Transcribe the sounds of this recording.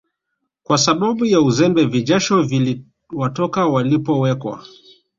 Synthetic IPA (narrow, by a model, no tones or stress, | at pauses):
kwasaɓaɓujauzɛmbɛviʄaʃɔvili | watɔkawalipɔwɛkwa̰